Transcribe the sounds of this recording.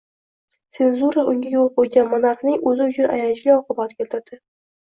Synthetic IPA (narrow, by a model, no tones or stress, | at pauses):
t̪se̞nzuɾaʔʊŋɡʲajolˠqojɡʲanmʊnaɾχnɪŋɵzɪʊt͡ʃʰʊnʔa̰jant͡ʃliɒqʰɨbat̪kʲelt̪ʰɪɾd̪̥ɪ